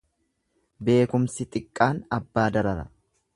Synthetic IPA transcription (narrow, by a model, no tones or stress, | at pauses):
be̞ːkʊmsɪt̪ʼɪkʼːaːnɐbːaːd̪ɐɾɐɾɐ̰